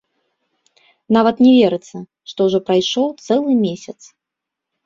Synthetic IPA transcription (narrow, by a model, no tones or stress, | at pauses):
navɐt̪nʲɛvʲɛɾɨt̪sːɐ | ʂt̪ɔwʐɔpɾajʂɔt̪sɛlˠɨmʲesʲɐt̪s